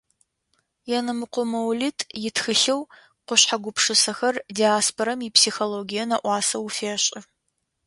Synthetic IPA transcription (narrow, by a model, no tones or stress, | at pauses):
jɛnɐmɨqʷʊmɐwlitʰʼjɪtxɨɬɐw | qʷʊɕħaɡʷʊpʂɨsɐxɐrdiaːspʰoɾɐmipsiːxoloːɡijɐnɐʔʷɑːsɐwfeːɕʼɪ